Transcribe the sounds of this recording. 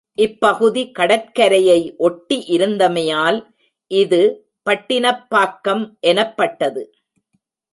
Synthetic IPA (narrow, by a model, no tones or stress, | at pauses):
ʔɪpːɐɣɯðikɐɽɐt̚kɐɾɐjɐɪʔɔʈːiʔɪɾɯnd̪ɐmɐjaːl | ʔɪðɯ | pɐʈːɪnɐpːaːkːɐmʔɛnɐpːɐʈːɐðɯ